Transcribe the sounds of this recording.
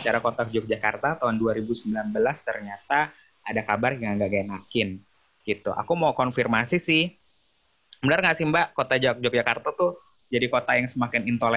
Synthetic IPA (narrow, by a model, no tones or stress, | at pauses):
t͡ʃaɾakot̪ad͡ʒʊk̚d͡ʒakart̪at̪aʊnduaɾibusəmbilanbəlast̪ərɲat̪a | adakabarjaŋŋɡaɡajnakɪn | ɡ̥it̪uʔa̰kumaukɔnfirmasisɪh | sbənərŋaʔsimbaʔkot̪ad͡ʒak̚d͡ʒʊk̚d͡ʒakart̪at̪ʊ | d͡ʒadikot̪ajaŋsəmakɪnint̪ol